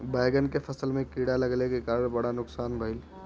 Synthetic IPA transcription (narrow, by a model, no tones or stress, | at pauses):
baɪɡənkepʰəsəlmẽkiɽaləɡlekekaːɾəɳbɐɽanʊksaːnbʱəɪl